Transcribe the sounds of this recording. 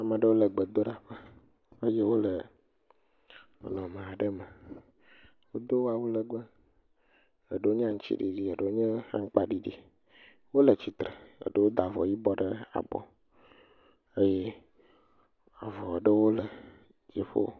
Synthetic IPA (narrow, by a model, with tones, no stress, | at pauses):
a˨mə̃˨ɖə˦wo˦lə˨ɡ͡bə˨d̪o˦ɖa˨ɸə˦ | ə˦je˦wo˦lə˨ | lɔ̃˨mẽ˨a˨ɖə˦mə˨ | wo˦d̪o˦wo˦a˨wu˦lə˨ɡ͡bə˦ | ə˨ɖə˨˦wo˦ɲ˦ã˦ŋ̩˦t͡ɕḭ˦ɖi˨ɖi˨ə˨ɖə˦wo˦ɲe˦ha̰˦ŋ̩˦k͡pa˦ɖi˦ɖi˦ | wo˦lə˨t͡ɕi˨t̪ɾə˨ə̰˨ɖə˦wo˦d̪a˨vɔ˨ji˦bɔ˦ɖə˦a̰˨bɔ̰˨ | e˦je˦ | a˨vɔ˨ɖə˦wo˦lə˨ | d͡ʒi˨ɸo̰˦